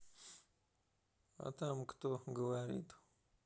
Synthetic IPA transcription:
a̰t̪amkt̪oɡəwaɾḭt̪u̥

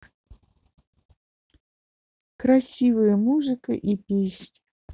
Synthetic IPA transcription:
kɾɐsʲivɨjəmuʐɨkə̰ʔipʲiʃnʲ

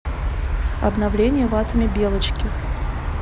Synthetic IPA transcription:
ɐ̰bnɐvlʲenʲɪjəvat̪əmʲɪbʲelˠət͡ɕkʲɪ

